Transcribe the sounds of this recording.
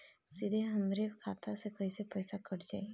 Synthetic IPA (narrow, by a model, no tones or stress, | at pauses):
sid̪ʱeɦəmɾebkʰat̪ʰasekɔjsepəjsakɔʈd͡ʒaj